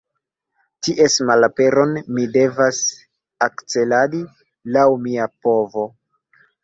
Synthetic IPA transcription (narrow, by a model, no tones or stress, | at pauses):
tiʔesmalape̞ɾo̞nmide̞vas | akt͡se̞ladi | lawmiapo̞vo̞